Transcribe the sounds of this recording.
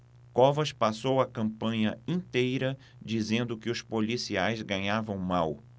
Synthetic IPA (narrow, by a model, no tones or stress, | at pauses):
kɔvɐʃpasowɐkɐ̃mpɐ̃ɲɐĩt̪ejɾɐ | d͡ʒizẽnd̪ʊkɪʊspolisiajzɡɐ̃ɲavɐ̃w̃maw